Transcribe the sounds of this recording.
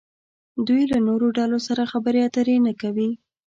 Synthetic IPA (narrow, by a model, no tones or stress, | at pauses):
d̪ujlanoɾoɖalosaɾaxabəɾeat̪əɾenakawi